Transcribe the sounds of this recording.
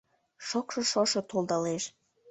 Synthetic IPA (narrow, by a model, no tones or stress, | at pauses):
ʃokʃŏʃoʃot̪old̪ɑleʃ